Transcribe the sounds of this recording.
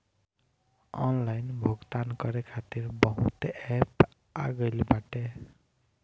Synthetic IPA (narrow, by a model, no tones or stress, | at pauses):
ɔ̰nlajnbʱoɡt̪ankʌɾekʰat̪iɾbʌɦut̪ep | a̰ɡʌjlbaʈe